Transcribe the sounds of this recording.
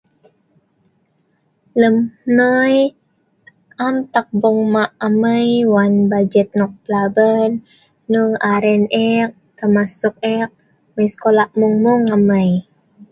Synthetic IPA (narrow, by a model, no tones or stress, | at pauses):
ləmnəj | ʔamt̪ak̚bɔŋmaʔaməjwanbad͡ʒət̪̚nɔk̚pəlabənː | uŋaɾɛnɛk̚t̪amasʊk̚ɛk̚ | məjsə̥kolaʔmuŋmuŋaməj